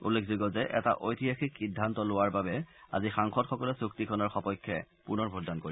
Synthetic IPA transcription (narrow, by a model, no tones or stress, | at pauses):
ṵlːekʰzoɡɔzɛʔɛ̰ta̰ʔojtʰijaxikxidʱːantɔlʊwaɹbabɛa̰zixaŋxɔtxɔkɔlɛsuk̚tikʰɔnɔɹxɔpɔjkʰːɛ | punɔɹbʱɔdankoɹi